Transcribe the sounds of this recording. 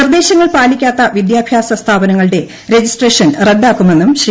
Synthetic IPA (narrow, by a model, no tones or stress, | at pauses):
rd̪e̞ːɕɐŋːɐɭpaːlikʲːaːt̪ːɐʋid̪jaːbʱjaːsɐst̪ʰaːbɐnɐŋːɐɭɨɽe̞ | ɾe̞d͡ʑisʈreːʂɐnreɖːaːkːume̞nːumɕ